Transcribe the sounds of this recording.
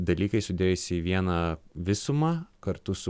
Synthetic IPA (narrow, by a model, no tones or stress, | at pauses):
d̪ɐlʲiːkɐɪsʊd̪ʲeːjʊsʲɪiʋʲiɛnɐʋʲɪsʊmɐːkɐɾt̪ʊsʊ